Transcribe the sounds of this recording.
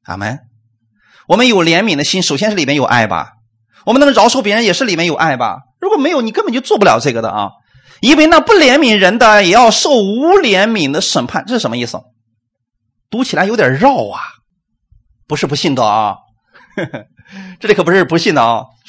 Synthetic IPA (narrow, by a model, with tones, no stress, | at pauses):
a̰˧˩mə̰˥n | wɔ˨˩mə˦njo˨˩ʊljɛ˧˥nmi˨˩ŋd̪ə˦ɕi˥nʂo˨˩ʊɕjɛ˥nʂɻ̩˥˩li˨˩mjɛ˥njo˨˩ʊʔa̰˥˩ɪbɐ̰˨˩ | wɔ˨˩mə˦n˧˥ŋɻɑ˧˥ʊʈ͡ʂʰp̬jɛ˧˥ɻə˧˥njɛ˨˩ʂɻ̩˥˩li˨˩mjɛ˥njo˨˩ʊʔa˥˩ɪbɐ̰˩ɻu˧˥kwɔ˨˩me˧˥ɪjo˧ʊni˨˩kə˥npə˨˩t͡ɕo˥˧ʊt͡swɔ˥˧p̬u˥ljɑ̰˨˩ʊʈ͡ʂɤ˥˩ɡə˩d̪ə̰˨˩ʔɐ̰˧ | i˥nwe˥˧ɪna˥˧pu˥˩ljɛ˧˥nmi˨˩ŋɻə˧˥nd̪ə˧jɛ˨˩jɑ˥˧ʊʂo˥˩ʊu˧˥ljɛ˧˥nmi˨˩ŋd̪ə˦ʂə˨˩npʰa˥˧nʈ͡ʂɤ˥˩ʂɻ̩˥˩ʂmə˧i˥˩s̩˩ | t̪u˧˥t͡ɕʰi˨˩la˧ɪjo˧˥ʊt̪ʲjɑ̰˨˩ɻɑ˥˩ʊɐ˨˩ | pu˧˥ʂɻ̩˥˩pu˧˥ɕi˥˩nd̪ə̰˧˩˧ | ʈ͡ʂɤ˥˩li˨˥kɤ˨˩pʂɻ̩˥pu˧˥ɕi˥˩nd̪ə˧ɔ̰˧˩